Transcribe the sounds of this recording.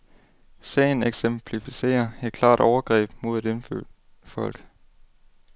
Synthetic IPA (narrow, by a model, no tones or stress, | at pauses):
sɛ̰ːɪn̩eɡ̥sempʰlifise̝̰ːɐe̝d̥̚kʰl̥ɑ̰̈ːd̥ɒʊɐɡ̥ʁɛ̰ːb̥mo̝ðˠed̥ɾe̝nfø | fɒ̽l̰ɡ̥